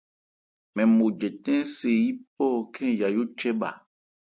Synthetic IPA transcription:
mɛ̃˨mo˨d͡ʒɛ˨tɛ̃˦se˨ji˦p̚ɔː˦˨kʰɛ̃˦ja˨jo˦t͡ʃɛ˦ɓa̰˨

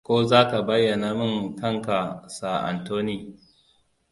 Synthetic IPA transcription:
kʷoː˦zaː˦ka˨bɐ˦jːɐ˨naː˨mɪ˦ŋkɐ˦˨ŋka˨sa˨ʔa̰˨ntoː˦ni˦˨

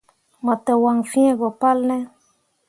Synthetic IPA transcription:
ma˨t̪e˨wa˨ŋfĩ˦ẽ˦ɡo˨pa˦lne˦

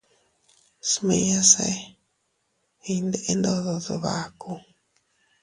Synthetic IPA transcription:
smẽ˧ja˦sḛ˧ | i˧nd̪e˧ʔe˦nd̪o˧ðo˧ðo̰˧βa˨ku˧

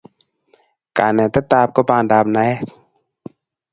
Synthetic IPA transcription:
ka̰˨nɛ˨t̪ɛ˦t̪aː˧p̚kɔ˦ba˧nda˨˧p̚na˧˦jɛ˦

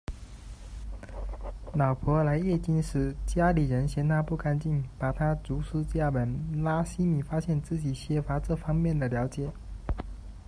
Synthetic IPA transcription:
nɑ˨˩ʊpʰwɔ˧˥la˧˥ɪjɛ˥˧t͡ɕi˥˧nʂɻ̩˥˩t͡ɕja˥li˨˩ɻə˧˥nɕjɛ˧˥nt̪ʰa˥pu˥˩ka˥nt͡ɕi˥˩npa˨˩t̪ʰa˥t͡su˧˥ʂ̩˥t͡ɕja˥˩pə˨˩nla˥ɕi˥mi˨˩fa˥ɕjɛ˥˧nt͡sɹ̩˥˩t͡ɕi˨˩ɕjɛ˧˥fa˧˥ʈ͡ʂɤ˥˩fɑ˥ŋmjɛ˥˩nd̪ə˩ljɑ˧˥ʊt͡ɕjɛ˨˩˦

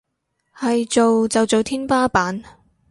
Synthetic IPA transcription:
hɐ˨jt͡ʃo˨wt͡sɐ˨wt͡so˨wt̪ʰiː˥npaː˥paː˨˥n

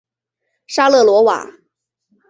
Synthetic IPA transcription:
ʂa˥lɤ˥˩lwɔ˧˥wa̰˨˩˦

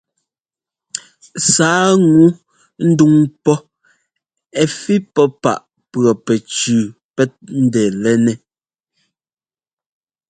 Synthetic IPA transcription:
saː˨˦ŋu˨˦ | n̩˦du˦ŋpɔ˦ | ɛ˨fi˦pɔ˦pa̰˨ʔ | pɰɔ˨pɛ˨t͡ʃʉː˨ | pɛ˦t̚n̩˦dɛː˨lɛ˦nɛ˨

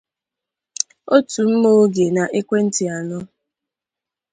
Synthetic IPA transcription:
o˦tu˨m̩˦mo˦ɡe˨na˨ʔɪ˦kʷe˦n̩˦tɪ˨a˨nʊ˦

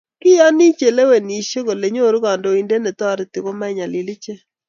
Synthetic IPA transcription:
kɪ˦jɔ˦ni˦t͡ʃe˨le˦we˨ni˨ʃe˦ɡo˨le˨ɲo˦˨ɾɡɔ˨ndɔ˨i˨nde˦nɛ˨t̪ɔ˦ɾɪ˦t̪ɪ˨ko˦ma˦ɪ˨ɲa˨lɪ˨lɪ˦t͡ʃe˦

